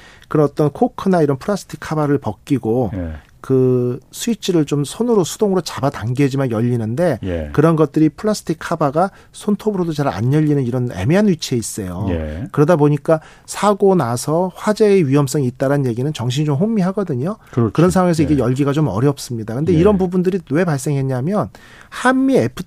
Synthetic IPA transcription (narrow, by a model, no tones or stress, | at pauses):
kɯɾʌt͈ʌnkʰokʰɯnaiɾʌnpʰuɾas͈ʰɯ̥tʰikʰːabaɾɯɭpʌk̚k͈iɡo | kɯsʰuit͡ɕʰiɾɯɭt͡ɕomsʰonɯɾosʰu̥d̥oŋɯɾot͡ɕabataŋɡed͡ʑimanjʌʎːinɯnde̞j̰kɯɾʌnɡʌt̚t͈ɯɾipʰɯɭːasʰɯ̥tʰikʰːabaɡa | sʰontʰobɯɾodot͡ɕaɾa̰ɲjʌʎːinɯniɾʌne̞̰meanɥit͡ɕʰieis͈ʌjoj̰kɯɾʌdaboɲik͈a | sʰaɡonasʰʌɸwad͡ʑe̞ːɥiɦʌms͈ʌŋit̚t͈aɾanje̞ɡinɯnt͡ɕʌŋɕʰiɲid͡ʑomɦomːiɦaɡʌdɯɲokɾkɯɾʌnsʰaŋwaŋes̬ʰʌiɡe̞jʌɭɡiɡat͡ɕomʌ̰ɾjʌp̚s͈ɯmɲidakɯnde̞iɾʌnbubundɯɾiwe̞paɭs̬͈e̞ŋɦe̞ɲamjʌn | hamːiepʰɯ